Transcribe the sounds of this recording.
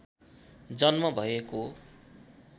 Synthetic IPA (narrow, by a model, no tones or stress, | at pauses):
d͡zʌnmʌbʱʌeko